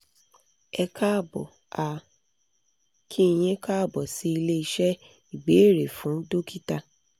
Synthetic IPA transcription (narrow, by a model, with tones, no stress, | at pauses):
ɛ˧kʰa˦˨bɔ̰˨ | a˧ | kʰi˦i˧˨j̃ɛ̃˦ka˦˨bɔ˨si˦i˧le˦i˧ʃɛ˦ | i˨ɡ͡be˨˦e˦˨ɾe˨fũ˨˦do˦kʰi˦ta˧